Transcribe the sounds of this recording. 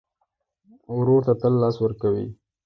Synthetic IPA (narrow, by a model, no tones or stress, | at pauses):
wɾoɾt̪at̪əlːɑswəɾkawḭ